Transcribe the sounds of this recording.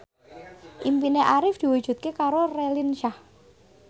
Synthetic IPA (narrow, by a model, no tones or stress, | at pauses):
ʔimpineʔaɾɪfd̪̥i̤wud̥ʒ̥ṳt̪̚kekaɾorelinʃah